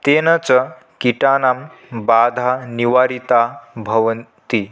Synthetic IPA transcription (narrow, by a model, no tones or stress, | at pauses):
t̪enət͡sə | kiʈanambad̪ʱaniʋaɾit̪abʱəʋənt̪i